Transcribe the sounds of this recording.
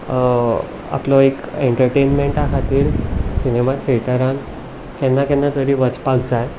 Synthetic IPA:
a̰plɔekeɳʈəɾʈenmeɳʈakʰat̪iːɾsinemat̪ʰeɭt̪əɾan | kɛnːakɛ̃nːat̪əɾiːʋət͡spak̚d͡zaj

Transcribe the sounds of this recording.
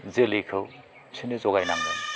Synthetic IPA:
zelikʰɯw | sʰinɯzɔɣajnaŋnɯ

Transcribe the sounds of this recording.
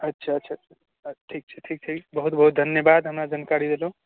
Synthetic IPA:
ətːʃʰaətːʃʰaa | ʈʰik̚t͡ʃʰəʈʰik̚ʈʰikbəɦut̪̚bəɦut̪̚d̪ʱənjəbad̪ɦəmɾad͡ʒankaɾid̪elũ

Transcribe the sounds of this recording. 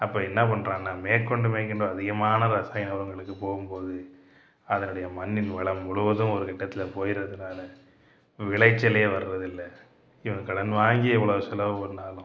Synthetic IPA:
ɐpːoːɛnːɐpɐɳːɾãːnaːmeːɾkːɔɳɖɯmeːɾkɪɳɖoːɐðɪɣɐmaːnɐɾɐsaːjɐnɐʋɐɾɯŋɡɐɭɯkːɯpoːɣɯmpoːðɯ | ɐðɐnɯɽɐjɐmɐnːɪnʋɐɭɐmːʊɭɯʋɐðʊ̃ɔɾɯkɪʈːɐt̪ːɪlɐpoːjɪɾɐðɯnaːlɐ | ʋɪɭɐɪt͡ʃːɐleːʋɐɾɯɾɐðɪlːɐ | ɪʋɐŋɯkɐɽɐnʋaːŋɡɪɛʋːɐɭɐʋɯsɪlɐʋɔɾnːaːlʊ̃

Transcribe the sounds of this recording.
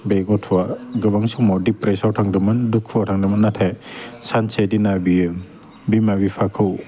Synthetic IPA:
beɡɔtʰwaɡɯbaŋsumawdipɾesawtʰaŋdɯmɯndukʰuwatʰaŋdɯmɯnːatʰajsansedinabijɯ | bimabipʰakʰɯw

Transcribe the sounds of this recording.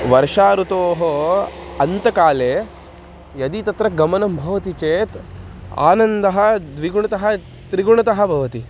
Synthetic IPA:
ʋɐɾʂaːɾut̪oːɦoɐnt̪ɐkaːleː | jɐd̪it̪ɐt̪ɾɐɡɐmɐnɐmbʱɐʋɐt̪it͡ʃeːt̪ | a̰ːnɐnd̪ɐɦɐd̪ʋiɡuɳɐt̪ɐɦɐ̆ | t̪ɾiɡuɳɐt̪ɐɦɐbʱɐʋɐt̪i

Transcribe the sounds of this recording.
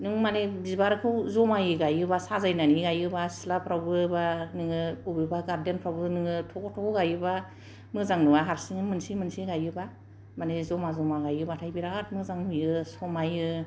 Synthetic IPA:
nɯŋmanebizbaɾɯkʰɯwzɔmajɯɡajɯbasazajnaniɡajɯbasi̥lapʰɾawbɯbanɯŋɯubibaɡaɾdenpʰɾawbɯnɯŋɯtʰɔkɔtʰɔkɔɡajɯba | mɯzaŋnɯbaɦaɾsiŋmɯnsimɯnsiɡajɯba | manezɔmazɔmaɡajɯbatʰajbiɾaatmɯzaŋnujɯsɔmajɯ

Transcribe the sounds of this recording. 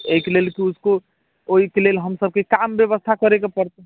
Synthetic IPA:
eikelelkiusko | oikelelɦəmsəb̚kekambjəβəst̪ʰakəɾekepəɾt̪e

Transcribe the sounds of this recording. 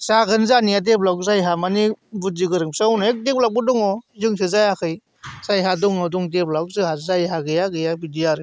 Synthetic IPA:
saɡɯnzanijad̬eplakzajɦamanibuziɡɯɾɯŋsawnaek̚dep̚labɔdɔŋɔzɯŋsɯzajakʰɯj | sajɦadɔŋɔdɔŋdeplak̚zɯhazajɦaɡɯjaɡɯjabidijaɾɯ

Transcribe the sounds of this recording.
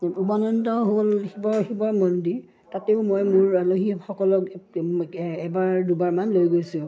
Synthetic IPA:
ubanɔntɔɦolhibɔxibɔɹmɔndi | tatɛʊmojmʊɹaloɦixɔkɔlɔk | ɛbaɹdubaɹmanlojɡojsʊ̃

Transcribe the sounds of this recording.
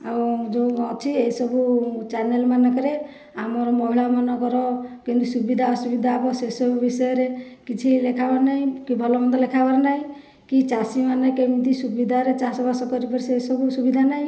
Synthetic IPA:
awd͡ʒoɔt͡ʃʰiejsɔbut͡ʃaɾnelmanɔkɔɾe | amɔɾɔmɔɦiɭamɔnɔkɔɾɔkint̪usubid̪ʱaɔsubid̪ʱaːbɔsesɔbubisɔjɔɾekit͡ʃʰilekʰabaɾnaɦĩkibʱɔlɔmɔnd̪ɔlekʰabaɾnaɦĩ | kit͡ʃasimanɔkeĩt̪isubid̪ʱaɾet͡ʃasɔbasɔkɔɾipɔɾisesɔbusubid̪ʱanaɦĩ

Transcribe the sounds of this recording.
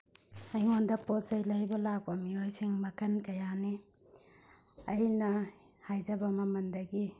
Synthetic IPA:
ɐjŋondɐpɔsɐjlajbɐlak̚bamiojsiŋmɐkɐnkɐjani | ɐjnɐ | hajzɐbɐmɐmɐndɐɡi

